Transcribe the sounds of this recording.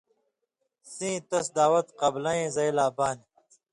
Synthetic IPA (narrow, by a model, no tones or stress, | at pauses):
sĩːt̪ɐsd̪aːwɐt̪qɐblɐ̃ẽːzɐjlaːbaːni